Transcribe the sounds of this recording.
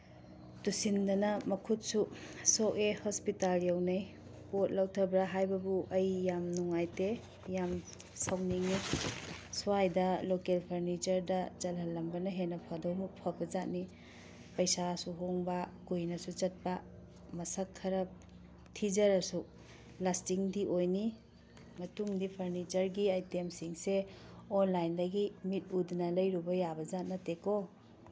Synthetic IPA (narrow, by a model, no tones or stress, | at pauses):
tusindɐnɐmɐkʰut̚susoʔehɔspitaljawnɐj | pot̚lɐwtʰɐbɾaɦajbɐbuʔɐjːamnuŋajte | jam | sawniŋi | suajdɐlokelpʰɐɾnit͡ʃɐɾdɐt͡ʃɐlɦɐlːɐmbɐnɐɦenɐpʰɐdowmupʰɐbɐd͡ʒat̚ni | pɐjsasuɦoŋbɐkujnɐsut͡ʃɐt̚pa | mɐsɐkʰːɐɾɐp̚ | tʰid͡ʒɐɾɐsu | lastiŋdiʔojni | mɐtuŋdipʰɐɾnit͡ʃɐɾɡiajtemsiŋseɔnlajndɐɡimit̚udnɐlɐjɾubɐjabɐzat̚nɐteko